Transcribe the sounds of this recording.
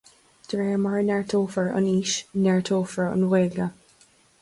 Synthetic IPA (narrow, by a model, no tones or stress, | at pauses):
d̪̥ɹɛːəmaɹnɛɹt̪ʰoːfəɹʊ̰niːʃnɛɹtʰoːfəɹə̰nweːɡə